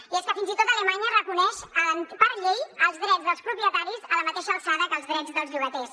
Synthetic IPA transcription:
iɛskəfinzit̪ot̪ələmaɲərəkunɛʃənpəɾʎejəlˠzðɾɛdd͡zðəlˠspɾupɾiət̪aɾizələmət̪eʃəːlˠsaðəkəlˠzðɾɛd͡zðəlˠzʎuɣət̪ɛs

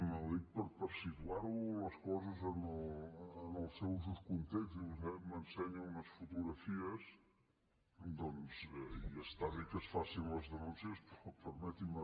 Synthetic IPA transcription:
məlit̪̚pəɾpəɾsikulaɾuləskɔzəzənəlːnəlˠsɛwzuskunt̪ekt̪iβuzɛmənsɛɲuunəsfut̪uɣɾəfiəz | d̪ɔnz̥ɛiəst̪aβekəsfasinləzðənunsiəspɾɔpəɾmɛt̪imə

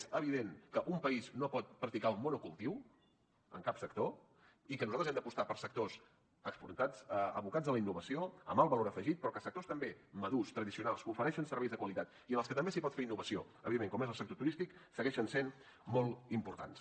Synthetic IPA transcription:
ezəβ̞iðeŋkəʔumpəiznopɔt̪̚pɾək̚t̪ikalˠmonukulˠt̪iw | ə̰ŋkapsək̚t̪o | ikənuzalt̪ɾzɛmd̪əpust̪apəɾsək̚t̪os | əkspṵnt̪at͡səəβukad͡zðələinːuβəsioə̰malˠβəloɾəfəʒit̪̚pɾɔkəsək̚t̪ost̪əmbeməðust̪ɾəðisiunalˠsufəɾɛʃənsəɾβɛjzðəkwəlit̪at̪ | iənəlskət̪əmbesipɔt̪feɾinːuβəsio̰ | əβiðemːeŋkɔmezəlˠsək̚t̪ot̪uɾist̪iksəɣɛʃənsen | molˠimpuɾt̪a̰ns

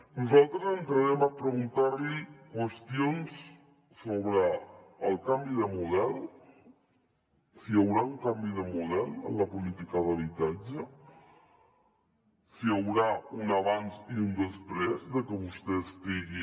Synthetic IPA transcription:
nuzalˠt̪ɾəzənt̪ɾəɾɛməpɾəɣ̞unt̪aɾlikwəst̪ions | soβɾəːlˠkambiðəmuð̞ɛl | siəwɾauŋkambiðəmuðɛlə̰nlːəpulit̪ikəðəβ̞it̪ad͡ʒə | siəwɾaunaβanziund̪əspɾezðəkəβust̪eəst̪iɣi

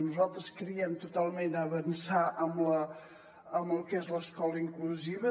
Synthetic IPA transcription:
nuzalˠt̪ɾəskɾiəmt̪ut̪alˠmenəβənsaʔəmlə | əməlˠkezləskɔləiŋkluziβə

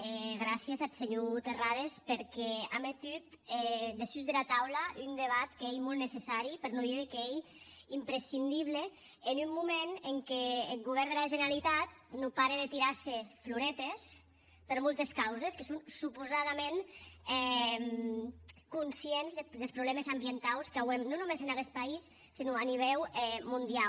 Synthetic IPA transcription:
ɛɣɾasjezat̪seɲot̪eraðespeɾkɛamet̪yt̪ɛd̪esyzðelat̪awlaʔynd̪eβ̞at̪keejmɔlˠnesesaɾipeɾnoðiðikeej | impɾesind̪iβ̞leː | numːumeneŋkeːlˠɣuβ̞ɛɾd̪elaʒeneɾalit̪at̪̚nopaɾeðet̪iɾaɾsefluɾɛt̪es | peɾmolˠt̪eskawzeskesonsupuzaðamẽnɛm | kunsienzðed̪elˠspɾuβlɛmezambient̪awskawemnonumezenaɣɛspais | sːinuaniβ̞ɛwɛmund̪ia

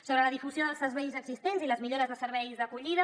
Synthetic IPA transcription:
soβɾələðifuzioðəlˠsəɾβɛjzəɡz̥ist̪enziləzmiʎoɾəzðəsəɾβɛjzðəkuʎiðə

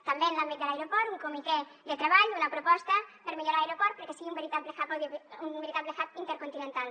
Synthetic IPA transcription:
t̪ambenlambit̪̚d̪elajɾopɔɾt̪uŋkumit̪ɛd̪ət̪ɾeβaʎunɐpɾopɔst̪ɐpəɾmeʎoɾalajɾopɔɾt̪̚pəɾkesiɣiumbeɾit̪ablexaoeumbeɾit̪at̪̚blexat̪int̪eɾkunt̪inẽnt̪al

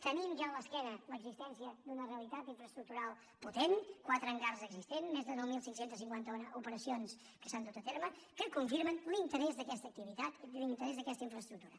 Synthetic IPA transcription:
t̪ənimʒaələskɛnələɡzist̪ɛnsiəd̪unəreəlit̪at̪iɱfɾəst̪ɾuk̚t̪uɾalˠ | put̪enkwat̪ɾəŋɡarzəɡzist̪enmezðənowmilˠsiŋsent̪əsiŋkwant̪əonupəɾəsions | kə̥sand̪ut̪ət̪eɾməkəkuɱfiɾmənlint̪əɾɛzðəkɛst̪ək̚t̪iβit̪at̪lint̪əɾɛzðəkɛst̪əiɱfɾəst̪ɾukt̪uɾə

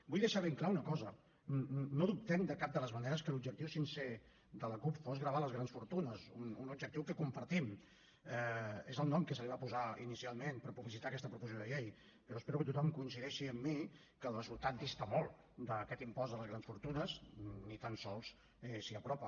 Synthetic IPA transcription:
bujðəʃaβiŋklaunəkɔzə | noðup̚t̪ɛmd̪əkap̚d̪ələzməneɾəskəlub̚d͡ʒəkt̪iwsinse | d̪ələkupfozɣɾəβ̞aləzɣɾansfuɾt̪unəzununub̚d͡ʒək̚t̪iwkəkumpəɾt̪im | ɛezəlˠnɔmkəsəliβapuzaḭnisialˠmenpəɾpuβlisit̪aəkɛst̪əpɾufuz̬joðəʎej | pəɾɔəspeɾukət̪ut̪ɔmkuins̬iðɛʃiəmːi | kəlˠrəzulˠt̪at̪̚d̪ist̪əmolˠ | d̪əkɛt̪impɔzðələzɣɾansfuɾt̪unəznit̪ansɔlˠs | ɛsiəpɾɔpə

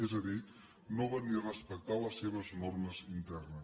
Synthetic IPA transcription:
ɛzəði | noβanirəspək̚t̪aləsːeβ̞əznɔrməzint̪ɛrnə

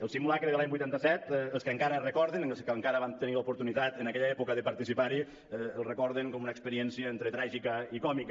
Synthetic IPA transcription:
əlˠsimulakɾeðəlaɲbujt̪ant̪əsɛt̪əlˠskəŋkaɾərəkɔɾðenlˠskəŋkaɾəβant̪əniləupuɾt̪unit̪at̪ənakɛʎəɛpukəðəpəɾt̪isipaɾi | ɛəlˠrəkɔɾðeŋkɔmunəkspəɾiɛnsiəent̪ɾət̪ɾaʒikəikɔmik

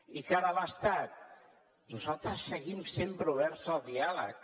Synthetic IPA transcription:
ikaɾələst̪at̪̚ | nuzalˠt̪ɾəsːəɣimsempɾuβɛɾsəlˠd̪ialə̰k̚

